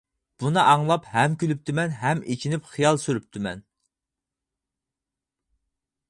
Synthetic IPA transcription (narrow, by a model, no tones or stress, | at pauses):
b̥unɨʔɑŋlˠɑphɛmkʲylyp̚t̪ʰymɛnɦɛmet͡ʃʰinypχijɑlˠsyɾyp̚t̪ʰymɛ̰n